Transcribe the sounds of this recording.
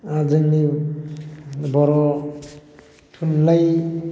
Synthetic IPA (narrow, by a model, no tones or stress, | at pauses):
ad͡ʒɯŋni | bɔɾɔ | tʰunlaj